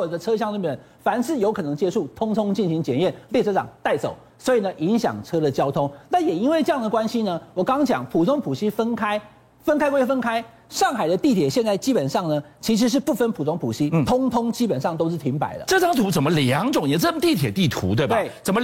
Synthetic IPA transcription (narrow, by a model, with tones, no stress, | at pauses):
jo˨˩d̪ə˧ʈ͡ʂʰɤ˥ɕ̬jɑ˥˧ŋt̪ɛ˥˩ə˧˦n | fa˧˥nʂɻ̩˥˩jo˧˥ʊkʰɤ˨˩nɤ˧˥ŋt͡ɕjɛ˧˥ʂu˥˩t̪ʰʊ˥ŋt̪ʰʊ˥ŋt͡ɕi˥˩nɕi˧˥ŋt͡ɕjɛ˨˩njɛ˥˩nlje˥˩ɪʈ͡ʂʰɤ˥ʈ͡ʂɑ̰˨˩ŋt̪a˥˩ɪt͡so˨˩˦ʊ | swɔ˧˥i˨˩nə˦ʔi˧˥nɕjɑ̰˨˩ŋʈ͡ʂʰɤ˥d̪ə˨t͡ɕjɑ˥ʊt̪ʰʊ˥ŋna˥˩jɛ˨˩i˥nwe˥˧ɪʈ͡ʂɤ˥˧jɑ˥˩ŋd̪ə˩kwa˦nɕi˧nə˨wɔ˨˩kɑ˥ŋt͡ɕjɑ̰˨˩ŋpʰu˨˩t͡sʰʊ˥ŋpʰu˨˩ɕi˥fə˥nkʰa˥ɪ | fə˥nkʰa˥ɪkwɪfə˥nkʰa˥ɪ | ʂɑ˥˩ŋxa˨˩ɪd̪ə˦t̪i˥˩t̪ʰjɛ˨˩ɕjɛ˥˧nt͡sa˥˩ɪt͡ɕi˥pə˨˩nʂɑ˥˩ŋnə˩t͡ɕʰi˧˥ʂ̬ɻ̩˧˥ʂ̬ɻ̩˥˧pu˥˩fə˥npʰu˨˩t͡sʰʊ˥ŋpʰu˨˩ɕi˥˩t̪ʰʊ˥ŋt̪ʰʊ˥ŋt͡ɕi˥pə˨˩nʂɑ˥˩ŋt̪o˥ʊʂ̬ɻ̩˥˩t̪ʰi˧˥ŋpa̰˨˧˩ɪlə̰˦ʈ͡ʂɤ˥˩ʈ͡ʂɑ˥ŋt̪ʰu˧˥t͡sə˨˩nmə˦ljɑ˧˥ŋʈ͡ʂʊ˨˦ŋi˨˩˥m˦t̪i˥˨˩t̪ʰjɛ˨˩t̪i˥˩t̪ʰṵ˧˥t̪̬we˥˩ɪba˨e˩t͡sə˨nmə˧